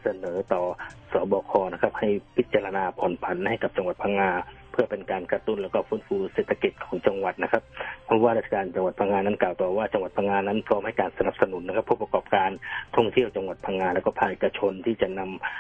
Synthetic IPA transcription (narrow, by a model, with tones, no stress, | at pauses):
sa˧nɤː˩˦t̪ɔː˨˩sɔː˨˩˦bɔː˧kʰɔː˧na˦˥˩kʰa˦˧˥p̚ha˥˩jpʰi˦t̪̚t͡ɕaː˧la˧naː˧pʰɔː˨˩˦npʰa˨˦nha˥˩jka˨˩p̚t͡ɕa˧ŋwa˨˩t̪̚pʰaː˧˥ŋaː˧ | pʰɯ˥˩ɐpe˧nkaː˧nka˧t̪u˥˩nlɛː˦˥wkɔː˥˩fuː˦˥nfuː˧lseː˨˩t̪ʰːa˧ki˨˩t̪̚kʰɔ̥ː˨˦ŋt͡ɕa˧ŋwa˨˩t̪̚na˦˥kʰa˦˥p̚pʰɔ˦˥waː˥˩ɾa˥t̪ʰːa˧kaː˧nt͡ɕa˧ŋwa˨˩t̪̚pʰaː˧˥ŋaː˧na˦˥˩nkaː˨˩wt̪ɔː˨˩waː˥˩t͡ɕa˧ŋwa˨˩t̪̚pʰa˧ŋaː˧na˦˥˨npʰɾɔː˦˥mha˥˩jkaː˧nsa˧na˨˩p̚sa˧nu˩˦nːa˧kʰa˦˥pʰːuː˥˩p̚a˧kɔː˨˩p̚kaː˧nt̪ʰɔ˥˩ŋt̪ʰi˥˩əwt͡ɕa˧ŋwa˨˩t̪̚pʰaː˧ŋaː˧lɛː˦˥wkɔː˥˩pʰaː˧ŋʔeː˨˩kːa˧t͡ɕʰo˧nt̪ʰiː˥˩t͡ɕa˨˩na˧m